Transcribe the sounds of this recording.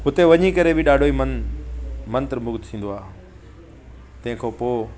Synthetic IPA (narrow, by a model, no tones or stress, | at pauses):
ɦʊt̪eʋɐɲikɐɾebɪɗaːɖʱoːimɐn | mɐ̃nt̪ɾmʊɡt̪t̪ʰĩːnd̪oaː | t̪ɐ̃ɦɪ̃kʰopoː